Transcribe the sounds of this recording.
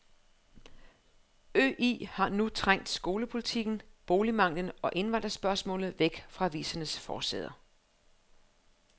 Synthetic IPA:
ø̰ːʔḭːhɑ̈nut͡sʰʁaŋ̰d̥sɡ̥o̝ːləpʰo̝lit͡sʰiɡ̥n̩b̥o̝ːlimɑ̈ŋ̰lənɒ̽ʔe̝nʋɑ̈n̰d̥ʁɐsb̥ɶɐsmɔ̰̽ːlð̩ˠʋeɡ̥fʁɑ̈ʋḭːsɐnəsfɒːsɛ̰ð̞ˠɐ

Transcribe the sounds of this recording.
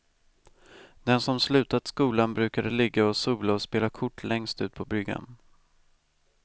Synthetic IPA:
d̪ɛnsɔmslʉ̟ːt̪at̪skuːlanbɾʉ̟ːkad̪əlɪɡːaɔsuːlaɔspeːlakʰʊʈʰːlɛŋst̪ʉ̟ːt̪̚pʰɔbɾʏɡːa̰n

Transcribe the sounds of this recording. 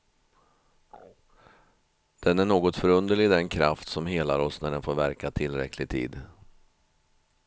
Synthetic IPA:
d̪̥ɛnæɳoːɡɔt̪fœɾɵnd̪əɭɪɡd̪ɛnkʰɾaft̪sɔmɦeːlaɾɔsnæɖɛnfoːɾvæɾkat̪ʰɪlːɾɛ̰kʰːlɪɡ̚t̪ʰḭːd̪

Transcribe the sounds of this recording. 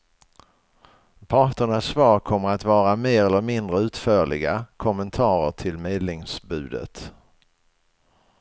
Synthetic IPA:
pʰɑːʈəɳasːvɑːɾkʰɔmːəɾat̪vɑːɾameːɾɛlːəɾmɪnd̪ɾəʉ̟ːt̪fœːɭɪ̰ɡakʰɔmːənt̪ʰɑːɾəʈʰɪlmeːd̪nɪŋsbʉ̟ːd̪ə̰t̪

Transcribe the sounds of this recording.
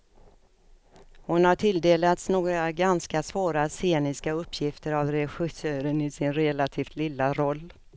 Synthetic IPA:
hʊnhaʈʰɪld̪eːlat̪snoːɡɾaɡanskasvoːɾaseːnɪskaɵpːjɪft̪əɾavɾɛɧɪsøːɾənɪsɪnɾɛlat̪ʰiːft̪lɪlːaɾɔlː

